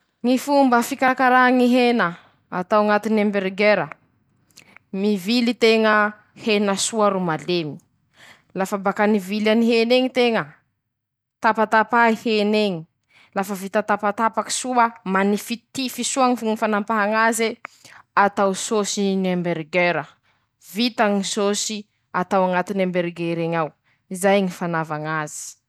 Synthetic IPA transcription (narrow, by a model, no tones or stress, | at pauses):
ŋifumbəfikakaɾaŋiɦenə | at̪awŋat̪inambeɾɡeɾə | mivilit̪eŋə | henəsuaɾumalemi̥ | lafabakanivilaniɦeneŋit̪eŋə | t̪apat̪apaiheneŋi̥ | lafəvit̪ət̪apat̪apaki̥suamanifit̪ifisuaŋifŋifanampaɦaŋazeat̪awsosiniambeɾɡeɾə | vit̪aŋisosi | at̪awaŋat̪inambeɾɡeɾeɲaw | izajŋifanavaŋazi̥